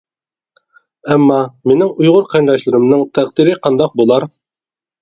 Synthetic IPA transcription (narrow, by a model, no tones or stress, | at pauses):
æmːɑmenɪŋujʁʊɾqʰændɑʃlɪɾɪmnɨŋt̪ʰæqd̪iɾɪqʰɑnd̪ɑq̚bolˠɑɾ